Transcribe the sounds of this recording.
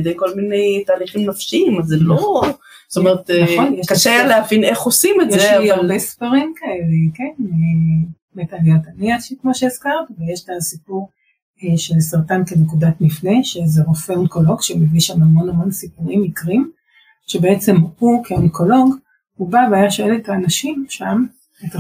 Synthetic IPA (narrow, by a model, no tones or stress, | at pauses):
d̪ejko̞lmine̞jtaːliχimnafʃiimazelo | st̪omeʁet̪nχonjeʃkaʃealeavineχosimejzeaaʁlbesfaʁimkaelekene | metaljataniaʃikmo̞ʃeːskaʁtvejeʃtasipuʁ | ʃelsaʁtankenekudatmifne̞ʃezeʁofeonko̞lo̞ɡʃemeviʃamhamo̞nhamo̞nsipuʁimikʁim | ʃebeet͡se̞mhukʰeonko̞lo̞ɡ | hubaveajaʃoeletaːnaʃimʃam | eta